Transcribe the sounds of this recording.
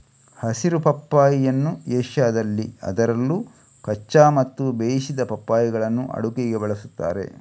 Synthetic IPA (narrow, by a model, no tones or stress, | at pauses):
hɐsiɾupɐpːaːjijɐnːueːʃjaːd̪ɐlːiɐ̰d̪ɐɾɐlːuː | kɐt͡ʃːaːmɐt̪ːubeːjisid̪ɐpɐpːaːjiɡɐɭɐnːṵʔɐ̰ɽukeɡebɐɭɐsut̪ːa̰ːɾe̞̰